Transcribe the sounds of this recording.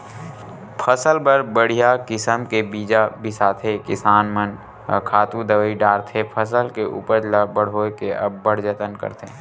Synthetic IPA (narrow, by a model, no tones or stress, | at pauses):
pʰəsəlbəɾbəɽ̤ijakɪsəmkebiːd͡ʒabʱɪsaːt̪ʰekɪsaːnmən | kʰaːt̪ũd̪əʋəiɖaːɾt̪ʰepʰəsəlkeʔṵːpəɾlabəɽ̤ɦoːkeɐ̰bːəɽd͡ʒət̪ənkə̰ɾt̪ʰeː